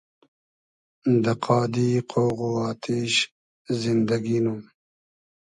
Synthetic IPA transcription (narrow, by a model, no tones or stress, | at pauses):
nd̪əqʰɑːd̪iqʰowɣuɑːt̪ʰeʃ | zɪnd̪aɡinum